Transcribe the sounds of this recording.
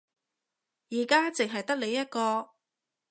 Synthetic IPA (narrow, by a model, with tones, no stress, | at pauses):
jiː˨˩kaː˥t͡sɪ˨ŋɦɐ˨jt̪ɐ˥k̚le˨˧jɐ˥t̚kɔː˧